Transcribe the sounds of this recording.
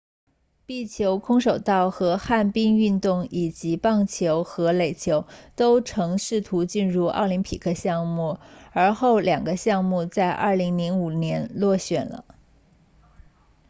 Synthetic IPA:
pi˥˩t͡ɕʰjo˧˥ʊkʰʊ˥ŋʂo˨˩ʊt̪ɑ˥˩ʊxɤ˧˥xa˥˩npi˥ŋy˥˧nt̪ʊ˥˩ŋi˨˩t͡ɕi˧˥pɑ˥˩ŋt͡ɕʰjo˧˥ʊxɤ˧˥le˨˩ɪt͡ɕʰjo˧˥ʊt̪o˥ʊʈ͡ʂʰɤ˧˥ŋʂɻ̩˥˩t̪ʰu˧˥t͡ɕi˥˧nɻu˥˩ɑ̰˥˩ʊli˧˥ŋpʰi˨˩kʰɤ˥˧ɕjɑ˥˧ŋmu˥˩ə˞˧˥xo˥˩ʊljɑ˨˩ŋɡə˦ɕjɑ˥˧ŋmu˥˧t͡sa˥˧ɪʔɐ̰˞˥˩li˧˥ŋli˧˥ŋu˨˩njɛ˧˥nlwɔ˥˩ɕɥɛ˨˩nlə̰˦

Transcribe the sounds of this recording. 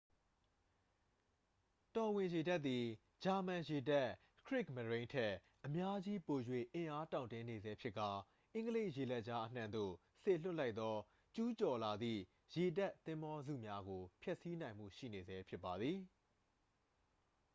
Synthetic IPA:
tɔ˨wɪ̃˨je˨da˦t̪ːi˨ | d͡ʑa˨mã˨je˨da˦˨ | kʰɹɪ˦˨k̚mə˨ɹẽ˦ɪ̃ntʰɛ˦˨ | ʔəmja˦d͡ʑi˦po˨jwḛ˦˨ʔɪ̃˨ʔa˦tã˨ʊ̃ntɪ̃˦ne˨zɛ˦pʰjɪ˦ʔkːa˨ | ʔɪ̃˦ŋɡəle˦ɪʔje˨lɛ˦ʔ̚t͡ɕa˦ʔən̥ã˨nd̪o̰˦˨ | se˦˨l̥ʊ˦ʔla˦ɪt̪ɔ˦ | t͡ɕu˦t͡ɕɔ˨la˨d̪ðḭ˦˨ | je˨da˦ʔt̪ːɪ̃˦mbɔ˦zṵ˦˨mja˦ɡo˨pʰjɛ˦ʔsi˦nã˨ɪ̃m̥ṵ˦˨ʃḭ˦˨ne˨zɛ˨˦pʰjɪ˦pːa˨d̪ði˨

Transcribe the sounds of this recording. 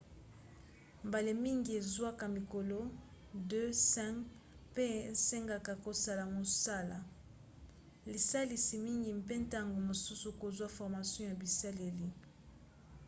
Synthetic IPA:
mba˨le˨mi˦ŋɡi˨e˨zwa˦ka˨mi˨ko˨lo˦ | dø˦sɛ̃˦k | pe˦˨se˦ŋɡa˨ka˨ko˨sa˦la˨mo˨sa˦la˨ | li˨sa˦li˨si˨mi˦ŋɡi˨mpe˦nta˦ŋɡo˨mo˨su˦su˨ko˨zwa˦fɔ˨ʁma˨sjɔ̃˦ja˨bi˨sa˦le˨li˨

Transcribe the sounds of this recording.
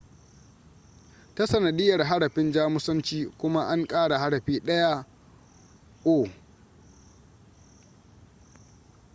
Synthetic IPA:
ta˦sɐ˨nɐ˨ɗɪ˦jɐ˨rɦa˦ɽɐ˨ɸɪ˦nd͡ʒaː˦mʊ˦sɐ˦nt͡ʃiː˦kʷʊ˦ma˦ʔa˦ŋkʼaː˦ɽa˨ha˦ɽɐ˨ɸiː˦ɗɐ˦ja˦ʔ | ʔoː˦˨

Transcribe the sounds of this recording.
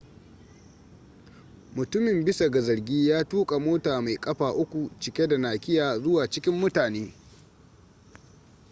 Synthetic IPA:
mʊ˨tʊ˦mɪ˨mbɪ˦sa˨ɡa˨zɐ˨ɾɡʲiː˦jaː˦tuː˦kʼa˨moː˦taː˨ma˨jkʼɐ˦ɸaː˨ʔʊ˦kʷu˨t͡ʃɪ˨kʲe˦da˨naː˨kʲɪ˦jaː˨zʊ˦waː˨t͡ʃɪ˦kʲɪ˦mːʊ˦taː˨neː˦

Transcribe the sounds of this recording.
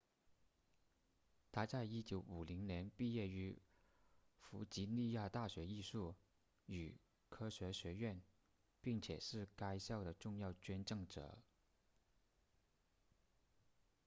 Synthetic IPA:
t̪ʰa˥t͡sa˥˧ɪi˥t͡ɕjo˧˥ʊu˨˩li˧˥ŋnjɛ˧˥npi˥˧jɛ˥˩y˧˥ | fu˧˥t͡ɕi˧˥ni˥˧ja˥˧t̪a˥˩ɕɥɛ˧˥i˥˧ʂu˥˩ | y˨˩ | kʰɤ˥ɕɥɛ˧˥ɕɥɛ˧˥ɥɛ˥˩n | pi˥˩ŋt͡ɕʰjɛ̰˨˩ʂɻ̩˥˩ka˥ɪɕjɑ˥˩ʊd̪ə˩ʈ͡ʂʊ˥˧ŋjɑ˥˩ʊt͡ɕɥɛ˥nʈ͡ʂɤ˥˩ŋʈ͡ʂɤ̰˨˩˦

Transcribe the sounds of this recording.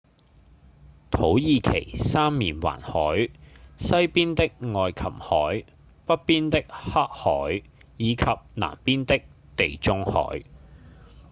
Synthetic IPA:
t̪ʰo˨˥wjiː˨kʰe˨˩jsaː˥mːiː˨˩nwa̰ː˨˩nhɔː˨˥jsɐ˥jpiː˥nt̪ɪ˥k̚ŋɔː˨˧jkʰɐ˨˩mhɔː˨˥j | pɐ˥t̚piː˥nt̪ɪ˥k̚ha˥k̚hɔː˨˥jː | iː˨˧kʰɐ˨p̚na̰ː˨˩mpiː˥nt̪ɪ˥k̚ | t̪e˨jt͡sʊ˥ŋhɔ̰ː˨˥j

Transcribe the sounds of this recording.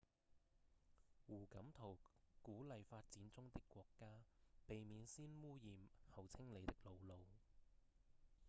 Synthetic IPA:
wuː˨˩kɐ˨˥mt̪ʰo˨˩wkuː˨˥lɐ˨˧jfaː˧t̚t͡siː˨˥nt͡sʊ˥ŋt̪ɪ˥kːʷwɔː˧kːaː˥pe˨jmiː˨˧nsiː˥nwuː˥jiː˨mhɐ˨wt͡sʰɪ˥ŋle˨˧jt̪ɪ˥k̚lo˨˧wlo˨˧w

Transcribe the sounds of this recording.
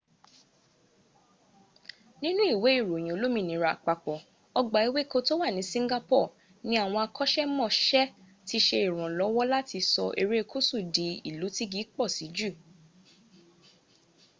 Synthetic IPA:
nĩ˦nũ˦i˦˨we˨˦i˦˨ɾo˨j̃ĩ˨o˨lo˦mĩ˧˨nĩ˨˦ɾa˨k͡pa˨k͡pɔ˨ | ɔ˧ɡ͡ba˨˦i˧we˦ko˧to˦wa˦˨nĩ˨˦sĩ˦ŋ˦ɡa˦pɔ˦˨ | nĩ˨˦a˦˨w̃ɔ̃˧a˧kɔ˦ʃɛ˦mɔ̃˦˨ʃɛ˦ | ti˧ʃe˧i˨ɾ̃ɔ̃˨lɔ˨˦wɔ˦la˦ti˧sɔ˧ʔe˧ɾe˦˧kʰo˦su˦˨di˨˦i˨lu˨˦ti˦ɡi˨˦k͡pɔ˦˨si˨˦d͡ʒu˦˨

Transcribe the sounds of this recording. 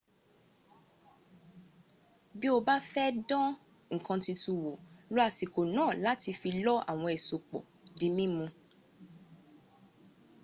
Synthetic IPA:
bi˦o˧ba˦fɛ˦dɔ̃˦ | ŋ̩˨kã˧ti˧tu˧wo˨lo˦a˧si˨ko˨nãː˦˨la˦ti˧fi˧lɔ˦a̰˨w̃ɔ̃˧ɛ˨so˨k͡pɔ̰˨ | di˨˦mĩ˦mũ˧

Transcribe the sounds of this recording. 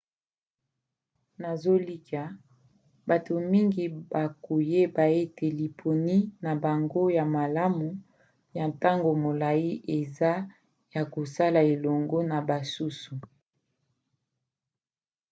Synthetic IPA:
na˨zo˦li˦ka˨ | ba˨to˨mi˦ŋɡi˨ba˨ko˨je˦ba˨e˦tʰe˨li˨pʰo˨ni˦na˨ba˨ŋɡo˦ja˨ma˨la˦mu˨ | ja˨nta˦ŋɡo˨mo˨la˨ji˦ʔe˨za˦ | ja˨ko˨sa˦la˨e˨lɔ˨ŋɡɔ˦na˨ba˨su˦su˨

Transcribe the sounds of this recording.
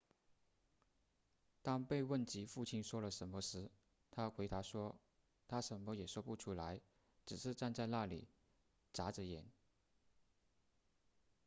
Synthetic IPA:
t̪ɑ˥ŋpe˥˧ɪwə˥˩nt͡ɕi˧˥fu˥˩t͡ɕʰi˥nʂwɔ˥lə˨ʂə˧˥nmə˧ʂɻ̩˧˥ | t̪ʰa˥kwe˧˥ɪt̪a˧˥ʂwɔ˥ | t̪ʰa˥ʂə˧˥nmɔ˧˦jɛ˨˩ʂwɔ˥pu˥˩ʈ͡ʂʰu˥la˧˥ɪ | ʈ͡ʂɻ̩˨˩ʂɻ̩˥˧ʈ͡ʂa˥˧nt͡sa˥˧ɪna˥˩lḭ˨˩ | t͡sa˧˥ʈ͡ʂə˨˦jɛ˧˥n

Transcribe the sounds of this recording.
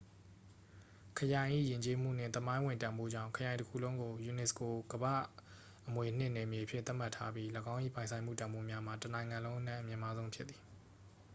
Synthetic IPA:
kʰəjã˨ɪ̃ʔḭ˦˨jɪ̃˨ɲt͡ɕe˦m̥ṵ˦˨n̥ɪ̰̃˦˨t̪ə˦mã˦ɪ̃wɪ̃˨ntã˨mbo̰˦˨d͡ʑã̰˦˨kʰəjã˨ɪ̃ntəkʰṵ˨lõ˦ʊ̃ŋɡo˨ju˨nɛ˨sko˨ɡ̥əbä̰˦˨ | ʔəmwe˨n̥ɪ̰̃˦˨nɛ˨mje˨əpʰjɪ̰̃˦˨t̪a˦ʔm̥a˦tʰːa˦bji˦ləɡã˦ʊ̃ʔḭ˦˨pã˨ɪ̃sʰã˨ɪ̃m̥ṵ˦˨tã˨mbo˦mja˦m̥a˨tənã˨ɪ̃ŋã˨lõ˦ʊ̃ʔənã˦˨ʔəmjɪ̃˨ma˦zõ˦ʊ̃mpʰjɪ˦t̪θi̥˨

